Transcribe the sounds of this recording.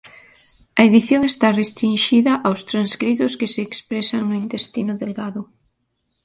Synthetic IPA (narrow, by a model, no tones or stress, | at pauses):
ɐeðiθjoŋest̪arest̪ɾinʃiðɐʔawst̪ɾanskɾit̪ʊskeseːkspɾesaŋnoint̪est̪inʊðelɣaðʊ